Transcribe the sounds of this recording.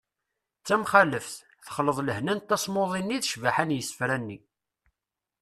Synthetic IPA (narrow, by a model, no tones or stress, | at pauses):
t͡sːæmχæləfθ | θəχləðˤləhnænt̪ːæsˤmoðˤinːiðʃvaħanjəsːə̥fɾænːi